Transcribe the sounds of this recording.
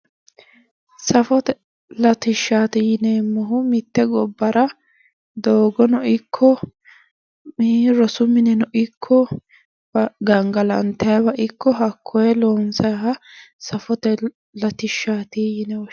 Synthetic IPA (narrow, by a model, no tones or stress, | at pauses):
sɐfɔt̪ɛ | lɐt̪ɪʃːaːt̪ɪjɪneːmːɔɦʊmɪt̪ːɛɡɔbːɐɾɐ | d̪oːɡɔnɔʔɪkʰːɔ | ɾɔsʊmɪnɛnɔʔɪkʰːɔ | ɐɡɐŋɡɐlɐ̰nt̪ːɐjɐbɐʔɪkʰːɔɦɐkʰːɔjɛloːnsɐjɦɐsɐfɔt̪ɛ | lɐt̪ɪʃːaːt̪ijɪnɛ